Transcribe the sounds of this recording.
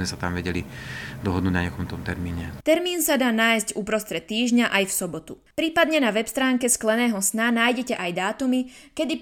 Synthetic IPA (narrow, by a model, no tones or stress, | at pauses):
mɛsat̪amʋɛɟɛlid̪ɔɦɔd̪nuːɟnaɲɛkɔmt̪ɔmt̪ɛɾmiːɲɛt̪ɛɾmiːnsad̪aːnaːjzcupɾɔst̪ɾɛt̪ːiːʒɲaʔajfsɔbɔt̪u | pɾiːpad̪ɲɛnaʋɛpst̪ɾaːŋkɛsklɛnɛːɦɔsnanaːjɟɛcɛʔajd̪aːt̪umikɛd̪i